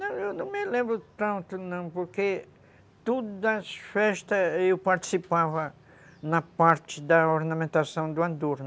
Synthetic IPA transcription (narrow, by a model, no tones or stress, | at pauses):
nɐ̃w̃ewnɐ̃w̃mɪlẽmbɾʊt̪ɐ̃nt̪ʊnɐ̃w̃poɾke | t̪od̪ʊd̪ɐsfɛʃt̪ɐewpaɾt͡ʃ̪i̥sipavɐ | nɐpaɾt͡ʃɪd̪ɐoɾnɐ̃mẽnt̪asɐ̃w̃d̪ʊãd̪oɾ